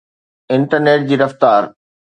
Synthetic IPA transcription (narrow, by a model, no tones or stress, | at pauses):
ɪ̃ɳʈəɾneːʈ̚d͡ʑiːɾɐft̪aːɾ